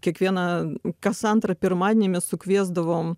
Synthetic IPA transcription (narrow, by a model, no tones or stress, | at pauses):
kʲɛkvʲenɐkɐsant̪ɾɐpʲɪrmad̪ʲnʲɪmʲɪsʊkvʲezd̪ɐvom